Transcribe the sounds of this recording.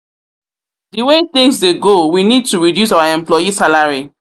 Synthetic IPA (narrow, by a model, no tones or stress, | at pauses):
diweθĩŋsdeɡowinid̚tuɹidjus̬aʊaɛ̃mplɔjisalaɹi